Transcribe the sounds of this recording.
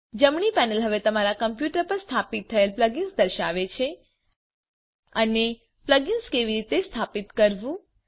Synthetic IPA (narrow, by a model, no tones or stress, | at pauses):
d͡ʒəmɳipɛnəlɦəʋet̪əmaɾakəmpjuʈəɾpəɾst̪ʰapit̪ʰːəelpləɡinsd̪əɾʃaʋet͡ʃʰe | əne | pləɡinskeʋiɾit̪est̪ʰapit̪kəɾʋũ